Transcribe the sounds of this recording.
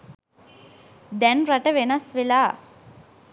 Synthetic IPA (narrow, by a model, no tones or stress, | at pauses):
d̪ɛnraʈəʋenɐsʋelaː